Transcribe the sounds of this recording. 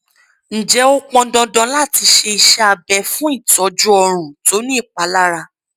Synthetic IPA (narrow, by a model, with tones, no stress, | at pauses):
n̩˨d͡ʒɛ˨˦o˦k͡pɔ̃˧dɔ̃˧dɔ̃˧la˦˨ti˧ʃe˧i˧ʃa˦a˧bɛ˧fũ˦i˦˨tɔ˨˦d͡ʒu˦ɔ˧ɾ̃ũ˨to˨˦nĩ˦i˦˨k͡pa˨˦la˦ɾa˧